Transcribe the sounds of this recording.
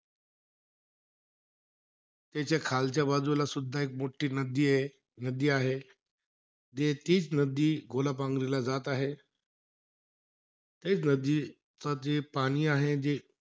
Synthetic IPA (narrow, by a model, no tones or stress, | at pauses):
t̪jat͡ɕakʰalt͡ɕjabad͡zulasud̪ʱːaek̚moʈiːnəd̪iːe | nəd̪iːaɦe | d͡ʑet̪iːt͡snəd̪iːɡʱolap̬ãŋɡɾilad͡zat̪aɦe | t̪et͡snəd̪iː | t͡sat̪epaɽ̃iːaɦed͡ʑe